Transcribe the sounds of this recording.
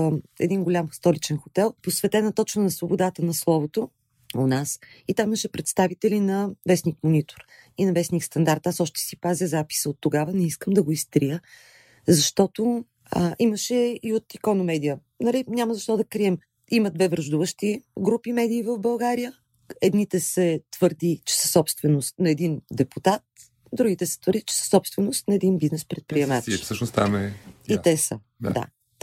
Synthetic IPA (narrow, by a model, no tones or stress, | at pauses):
ɛ̰d̪inɡolʲamst̪ɔlit͡ʃɛnxot̪ɛlˠposvɛt̪ɛnət̪ɔt͡ʃnənɐsvobod̪at̪ənɐslˠɔvot̪o | onasit̪amiməʃɛpɾɛt̪st̪avit̪ɛlinɐvɛsnikmonit̪o̥ɾ | inɐvɛsnikst̪ɐnd̪aɾt̪asɔʃt̪ɛ̥sipazʲəzapi̥səot̪ːoɡavənɛiskəmd̪ɐɡoist̪ɾijə | zɐʃt̪ɔt̪o | ə̰ʔiməʃɛiot̪ikɔnomɛd̪ijə | nɐlinʲamɐzɐʃt̪ɔd̪ɐkɾiɛm | iməd̪vɛvɾɐʒd̪uvəʃt̪iɡɾupimɛd̪iːvəvbɐlˠɡaɾijə | ɛd̪nit̪ɛsɛt̪v̥əɾd̪it͡ʃɛ̥sə̥sɔpst̪vɛnost̪nɐɛd̪ind̪ɛput̪at̪̚ | d̪ɾuɡit̪ɛsɛ̥t̪vəɾd̪it͡ʃɛ̥sə̥sɔpst̪vɛnost̪nɐɛd̪inbiznɛspɾɛt̪̚pɾiɛmat̪səʃnost̪a̰mɛit̪ɛsə̰ | ad̪a̰